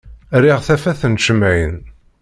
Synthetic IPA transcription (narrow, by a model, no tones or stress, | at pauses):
riʁθæfæθənʃəmæjən